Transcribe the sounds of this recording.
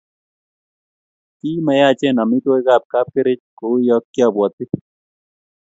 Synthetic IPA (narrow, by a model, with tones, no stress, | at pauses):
ki˦ma˨ja˦˨t͡ʃɛ˦˨nɔ˨mi˦to˦e˦ka˦˨p̚ka˦p̚kɪ˦ɾɪ˦t͡ʃko˨˦jɔ˦kːjɔ˦˨bwɔ˨t̪ɪ˦